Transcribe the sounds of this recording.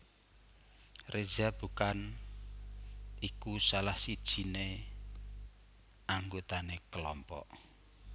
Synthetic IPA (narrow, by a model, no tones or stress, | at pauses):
rezab̥ukan | ʔikusalahsid̥ʒ̥i̤ne | aŋɡot̪anekəlɔmpɔ̰ʔ